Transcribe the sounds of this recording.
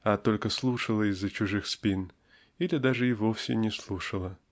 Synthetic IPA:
at̪o̞lʲkəslˠuʂəlˠəɪzːət͡ɕʊʐɨxspʲin | ilʲɪd̪aʐɨɪvofsʲɪ̰nʲɪslˠuʂəlˠə

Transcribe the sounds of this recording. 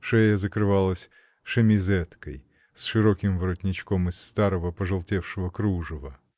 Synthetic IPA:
ʂɛjəzəkɾɨvalˠəsʲ | ʂɨmʲɪzɛt̪kəj | sʂɨɾokʲɪmvɾɔtʲnʲɪt͡ɕkomɨsːt̪aɾəvəpəʐɨlˠtʲefʂɨvəkɾuʐɨvə

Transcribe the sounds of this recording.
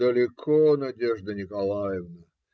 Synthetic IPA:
əlʲɪkʰonɐdʲeʐd̪ənʲɪkɐlˠajɪvnə

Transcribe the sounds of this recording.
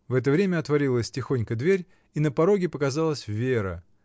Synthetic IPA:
vɛt̪əvɾʲemʲəɐt̪vɐɾʲilˠəsʲtʲɪxo̞nʲkəd̪vʲeɾʲ | inəpɐɾo̞ɡʲɪpəkɐzɑlˠəsʲvʲeɾə̰

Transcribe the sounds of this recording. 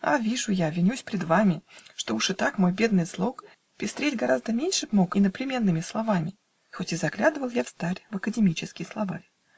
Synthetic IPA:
a̰vʲiʐʊjavʲɪnʲusʲpʲɾʲɪd̪vamʲɪʂt̪o̞uʂɨt̪akmo̞jbʲe̞d̪nɨjzlˠo̞k | pʲɪst̪ɾʲedʲɡɐɾazd̪əmʲenʲʂɨpmo̞kɪnəplʲɪmʲe̞nːɨmʲɪslˠɐvamʲɪ | xo̞tʲɪzɐɡlʲad̪ɨvəlˠjafst̪aɾʲvəkədʲɪmʲit͡ɕɪskʲɪjslˠɐva

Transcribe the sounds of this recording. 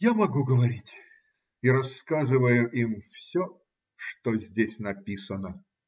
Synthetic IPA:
jamɐɡuɡəvɐɾʲitʲ | iɾɐskazɨvəjʊʔimfsʲɔ | ʂt̪ozʲdʲesʲnɐpʲisənə

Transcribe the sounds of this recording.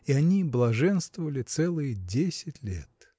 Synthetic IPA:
iɐnʲiblˠɐʐɛnst̪vəvəlʲɪt̪sɛlˠɨjədʲesʲɪtʲlʲḛt̪

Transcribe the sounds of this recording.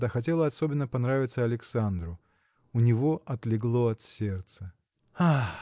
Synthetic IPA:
d̪axɐt̬ʲe̞lˠəɐsobʲɪnːəpɐnɾavʲɪt̪səɐlʲɪksand̪ɾʊ | ʊnʲɪvo̞ʔɐt̪lʲɪɡlˠo̞ɐt̪sʲert̪sə | a

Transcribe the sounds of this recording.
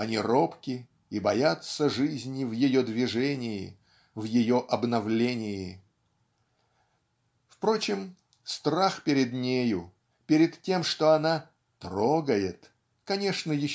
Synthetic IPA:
ɐnʲiro̞pkʲɪ | ibɐjat̪səʐɨzʲnʲɪvjɪjod̪vʲɪʐɛnʲɪjɪ | vjɪjo̞ʔɐbnɐvlʲenʲɪjɪ | fpɾo̞t͡ɕɪm | st̪raxpʲɪɾʲɪd̪nʲejʊ | pʲɪɾʲɪt̪tʲːe̞mʂt̪o̞ɐna | t̪ɾoɡəjɪt̪ | kɐnʲe̞ʂnəjɪ

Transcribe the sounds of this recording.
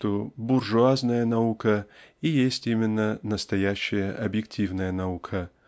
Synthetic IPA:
t̪obʊrʐʊaznəjənɐukəijesʲtʲimʲɪnːənəst̪ɐjæɕːɪjəʔɐbjɪk̚tʲʰivnəjənɐukʰə

